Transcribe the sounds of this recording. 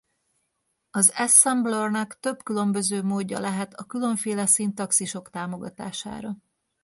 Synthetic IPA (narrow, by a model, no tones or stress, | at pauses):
ɒzɛsːɛmblornɒkt̪ø̞bkylø̞mbø̞zøːmoːɟːɒ̰lɛɦɛt̪ɒkylø̞ɱfeːlɛsiːnt̪ɒksiʃo̞kt̪aːmo̞ɡɒt̪a̰ːʃa̰ːɾɒ